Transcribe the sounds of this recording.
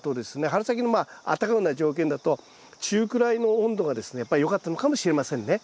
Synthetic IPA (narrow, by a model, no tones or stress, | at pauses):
t̪o̞d̪e̞sɨne̞ɦaɾɯ̟sak̬ʲinomaa̰t̪ːakaɯnaʑo̞ːkend̪at̪o̞ | t͡ɕɨːkɯ̟ɾainõ̞ːnd̪o̞ɡad̪e̞sɨ̥ne̞japːaɾijo̞kat̪ːano̞kamo̞ɕiɾe̞masẽ̞nːe